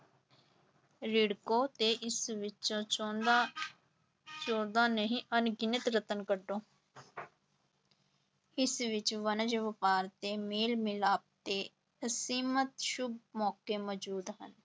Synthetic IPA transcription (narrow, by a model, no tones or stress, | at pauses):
ɾɪɽkoːt̪eʔɪsʋɪt͡ʃõt͡ʃoːd̪a | t͡ʃoːd̪aːnəɦĩʔənɡɪnɪt̪ɾət̪ənkəɖõː | ɪsʋɪt͡ʃʋənəd͡ʒʋəpaːɾt̪eːmeːlmɪlaːp̚t̪eː | əsiːmət̪ʃʊbmɔːkeːmɔd͡ʒuːd̪ɦən